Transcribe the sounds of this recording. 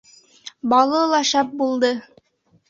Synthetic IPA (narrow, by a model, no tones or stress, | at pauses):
bɑlˠɤlˠɑʃɑp̚bulˠd̪ɤ